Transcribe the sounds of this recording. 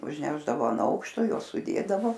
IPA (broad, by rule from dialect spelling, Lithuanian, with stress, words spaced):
ʊʒʲˈnʲæːʒdɐʋoː ɐn ˈɐʊkʃtoː ˈjuɔs sʊˈdʲeːdɐʋoː